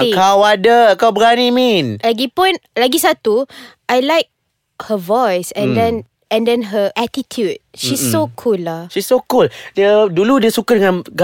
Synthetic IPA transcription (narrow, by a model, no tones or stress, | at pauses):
ikawadəkawbəɡaniminlaɡipũnlaɡisat̪uʔajlajk̚ | həvɔjsɛ̃ndɛ̃n | ɛ̃ndɛ̃nɦəʔatitʰjud̚ʃisːokʰulːaʃisokuldəduludiəsukadəŋãnɡa